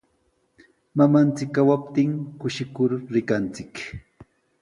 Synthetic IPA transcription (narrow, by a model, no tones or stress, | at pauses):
mamant͡sɪkːawap̚t̪ɪŋkʊʃɪkʊɾɾɪkant͡sɪk